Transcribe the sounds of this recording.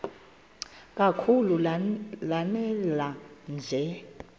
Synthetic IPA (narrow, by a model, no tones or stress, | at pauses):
k̬ʼakʰululanɛland͡ɮʱɛ